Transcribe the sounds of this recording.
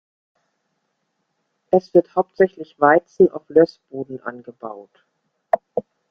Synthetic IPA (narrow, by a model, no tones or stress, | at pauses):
ʔɛsv̥ɪɐthaʊp̚tz̥ɛçlɪçv̥aɪt͡sn̩a̰ʊflœsb̥oːdn̩ʔa̰nɡəbaʊt